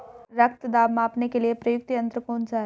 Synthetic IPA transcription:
ɾɐk̚t̪d̪aːbmãːpnekeliepɾɐjʊk̚t̪jɐ̃nt̪ɾəkõːʊnd͡ʒaːe

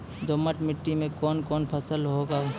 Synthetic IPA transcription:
d̪oməʈmɪʈːimẽkɔːnkɔːnpʰəsəlɦoːɡaː

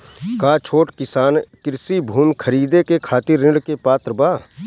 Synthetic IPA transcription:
kaːt͡ʃʰoːʈkɪsaːnkɪɾsibʱuːmkʰəɾiːd̪ekekʰaːt̪ɪɾːɪ̃ɽkepaːt̪ɾəbaː

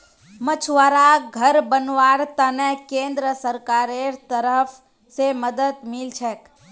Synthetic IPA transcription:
mət͡ʃʰʋaɾaɡʱəɾbənʋaːɾt̪anɛkẽːnd̪ɾəsəɾkaːɾeɾt̪əɾəpʰ | seməd̪əd̪mɪlt͡ʃʰɛk

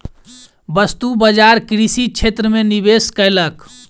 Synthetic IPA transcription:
bəst̪ubəd͡ʒaɾkɾisit͡ʃʰet̪ɾəmenibeskəjlək

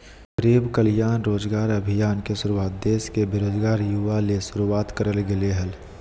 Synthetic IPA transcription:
ɾeːbkəljaːnɾoːd͡ʒɡaːɾɐbʱijaːnkesʊɾuaːt̪̚d̪eːskebeɾoːd͡ʒɡaːɾjuʋalesʊɾuwaːt̪kəɾəlɡeleɦəl

